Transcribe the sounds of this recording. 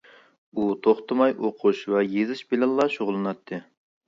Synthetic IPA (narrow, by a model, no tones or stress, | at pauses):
ut̪ʰoχt̪ʰɨmɑjʔoqʰuʃvwɛjezɨʃbɪlɪlˠːɑʃoʁlˠɨnɑt̪ʰːɨ